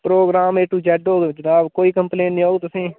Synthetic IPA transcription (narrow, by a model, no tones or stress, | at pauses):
pɾoːɡɾaːmeːʈuːd͡ʒɛːɖoːɡed͡ʒənaːbkoːiːkəmplẽːnnĩːoːɡt̪ʊsĩː